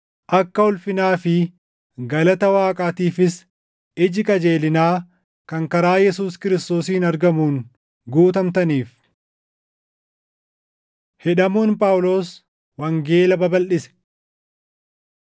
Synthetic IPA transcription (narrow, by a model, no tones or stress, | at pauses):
ʔɐkːɐʊlfɪnaːfɪ | ɡɐlɐt̪ɐwaːkʼaːt̪iːfɪs | ɪd͡ʒɪkʼɐd͡ʒe̞ːlɪnaː | kɐŋkɐɾaːjɛsuːskɪɾɪst̪o̞ːsiːnɐɾɡɐmuːn | ɡuːt̪ɐmt̪ɐniːf | hɛᶑɐmuːnpʼawʊlo̞ːs | wɐŋɡe̞ːlɐbɐbɐlʔɪsɛ̥